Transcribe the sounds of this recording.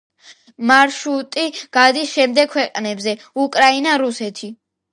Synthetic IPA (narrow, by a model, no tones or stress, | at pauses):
maɾʃut̪ʼiɡ̥ad̪isʃɛmd̪ɛɡ̚kʰwɛqʼnɛbzɛ | ukʼɾainaɾusɛt̪ʰi